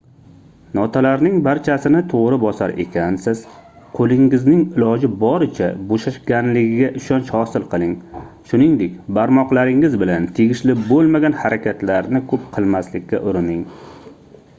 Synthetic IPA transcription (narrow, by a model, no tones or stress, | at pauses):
nɒt̪ʰalaɾnɪŋbaɾt͡ʃʰasɪnɪt̪ʰoʁɾɪbɒsaɾe̞̰kʲansɪz̥ | qʰolˠɪŋɪznɪŋɪlɒd͡ʒɪbɒɾɪt͡ʃʰa̰boʃaʃɡʲanlɪɡʲɪɡʲaʔɪʃɒnʃhɒsɪlˠqʰɨlˠɪŋ | ʃʊnɪŋd̪e̞kʲbaɾmɒqlˠaɾɪŋɪzbɪlant̪ʰeɡʲɪʃlɪbolˠmaɡʲanhaɾakʲʰat̪laɾnɪkʰɵp̚qʰɨlˠmaslɪkʲːa̰ʔʊɾɪnɪŋ